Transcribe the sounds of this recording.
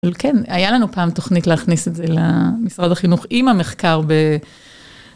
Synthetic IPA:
lkenajalanupaːmt̪o̞χnitleːχnisetzelemisʁadaχinuχimame̞χkaʁbe

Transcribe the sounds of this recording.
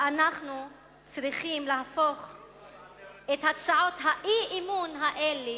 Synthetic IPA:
anaχnu | t͡sʁiχimlaafo̞χ | ethat͡saʕo̞tɦaʔiʔimunɦaʔele

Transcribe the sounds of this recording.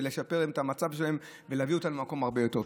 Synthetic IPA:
leʃape̞ʁimt̪amat͡savʃelaem | veleavio̞t̪amlemako̞maʁbe̞jo̞te̞ʁ

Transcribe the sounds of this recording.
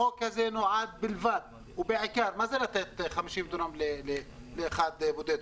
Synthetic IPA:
okazenoʕad̪̚bɪlvad̪̚ | ubeʕakaɾmazelat̪et̪χamiʃimd̪onamlele | leʔaxad̪bud̪ed̪

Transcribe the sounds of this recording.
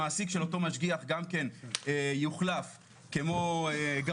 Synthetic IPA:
aːsikʃelo̞to̞maʃɡiaχɡamke̞nejuχlaf | kemo̞eɡa

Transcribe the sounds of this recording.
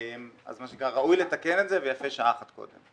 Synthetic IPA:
ma̰zmaʃekʁaʁaujlet̪akenet̪zevejafeʃaaχat̪ko̰d̪ḛm

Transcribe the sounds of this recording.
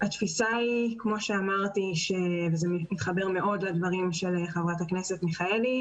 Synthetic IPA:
at̪fisaikmo̞ʃeamaʁt̪iʃevezemit̪χabeʁme̞ʔo̞dlad̪vaʁimʃeleχevʁataknesetmiχaeli

